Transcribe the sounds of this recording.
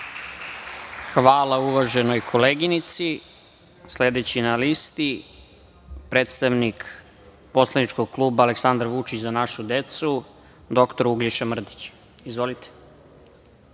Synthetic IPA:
xʋaːlˠauʋaʒe̞no̞jkʰo̞leːɡinit̪si | sled̪et͡ɕinalist̪i | pɾe̞ːt̪st̪aʋnik | po̞slˠanit͡ʃkoɡ̚klˠuːbaːleksand̪ɾʋut͡ʃit͡ɕzanaʃud̪e̞t̪su | d̪o̞kt̪o̞ɾuɡliʃamr̩d̪it͡ɕ | izʋo̞lit̪e̥

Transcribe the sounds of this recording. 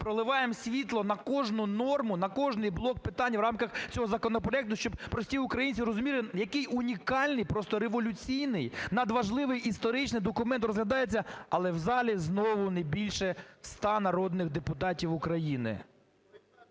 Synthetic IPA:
pɾɔlˠɪʋɑjemsʲʋʲit̪lˠɔnɐkɔʒnʊnɔrmʊnɐkɔʒnɪjblˠɔk̚pɪt̪ɑnʲːɐwɾɑmkɐxt͡sʲɔɦɔzɐkɔnɔpɾɔɛk̚t̪ʊʃt͡ʃɔb̚pɾɔsʲtʲiʊkɾɐjinʲt͡sʲiɾɔzʊmʲilʲˠɪjɐkɪjʊnʲikɑlʲnɪjpɾɔst̪ɔɾeʋɔlʲʊt͡sʲijnɪjnɐd̪ʋɐʒlˠɪʋɪjʔist̪ɔɾɪt͡ʃnɪjd̪ɔkʊmɛnt̪rɔzɦlʲɐd̪ɑjet͡sʲːɐɐlˠɛwzɑlʲiznɔʋʊnɛbʲilʲʃɛst̪ɑnɐɾɔd̪nɪɣd̪epʊt̪ɑtʲiwʊkɾɐjinɪ̰

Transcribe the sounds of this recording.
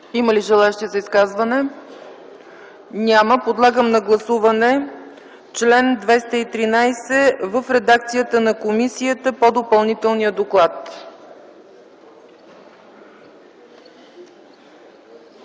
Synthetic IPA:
iməliʒɛlˠaɛʃt̪iəzəiskazvənɛ | nʲaməpod̪lˠaɡəmnɐɡlˠɐsuvɐnɛ | t͡ʃlɛnd̪vɛst̪əit̪ɾinajsɛvəfɾɛd̪ak̚t̪sijət̪ənɐkomisiət̪əpod̪opɐlˠnit̪ɛlˠnijəd̪oklˠat̪

